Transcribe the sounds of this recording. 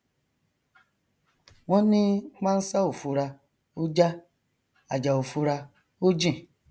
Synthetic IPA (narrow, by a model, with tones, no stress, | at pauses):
wɔ̃˦nĩ˦k͡pã˦n̩˦sa˦o˨fu˧ɾa˧ | o˦d͡ʒa˦ | a˨d͡ʒa˨o˨fu˧ɾa˧ | o˦d͡ʒĩ˦˨